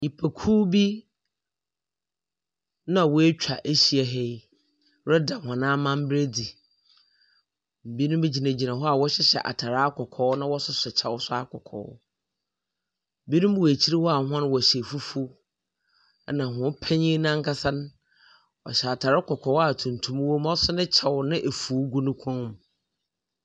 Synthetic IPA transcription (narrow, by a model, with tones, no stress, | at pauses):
ɲi˨pʰæ˨kʰuː˦bi˦ | nã˦˨wɔ˦e˦t͡ɕᶣʰa˨ʔe˦ɕi˨ɛ˨ɦe˦j | ɾɛ˦da˨hã˨nãː˦mã˦m̩˦bɾe˦di˨ | m̩˨bi˦nʊ̃˦m˦be˦d͡ʑi˨nã˨d͡ʑi˨nã˨ɦɔ˦a˨wɔ˦ɕɛ˦ɕɛ̰˨ʔa̰˨tʰa˨ɾaː˦kʰɔ˨kʰɔː˨˦nã˦wɔ˦sʊ˨sɛ˨t͡ɕʰa˨wɔ˦sʊ˦a˦kʰɔ˨kʰɔ̰ː˨˦ | m̩˨bi˦nũ˦m˦˨e˨t͡ɕʰi˦ɾi˦wɔ˦a˨˦ɦã˦n˦wɔ˨ɕɛ˨fu˦fu˦ | nã˨ɦʊ̃˨˦pʰɛ̃˦ɲĩ˦nã˦ŋ̩˦kʰa˦sã˦n˦ | ɔ̰˨ɕɛ˨a˨tʰa˨ɾɪ˦kʰɔ˨kʰɔː˨˦a˨tʰũ˨ntʰũ˦m˦wo˦m˦ɔ˦sʊ˦nɪ̃˦t͡ɕʰa˨wnɪ̃˦ʔe˨fuː˨˦ɡu˦nʊ̃˦kʰɔ̃˦m˨